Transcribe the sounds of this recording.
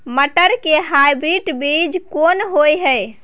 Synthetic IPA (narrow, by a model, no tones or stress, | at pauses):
məʈəɾkeɦajbɾiʈbid͡ʒkonɦojɦəj